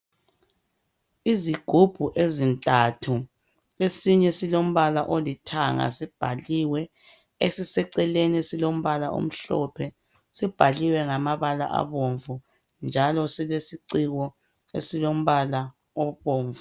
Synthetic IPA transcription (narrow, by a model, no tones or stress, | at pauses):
iziɡ̥ʱub̥ʱuʔezintʼatʰu | esiɲɛsilom̩βalaʔolitʰaŋa̰sib̥ʱaliwɛ | esisɛǀɛlenesilom̩βalaʔo̰m̩ɬɔ̰pʰɛ | sib̥ʱaliwɛŋamaβala̰ʔa̰βoɱvu | nd͡ʒʱalɔsilesiǀiɣɔ | ḛsilom̩βala | ɔβoːɱvu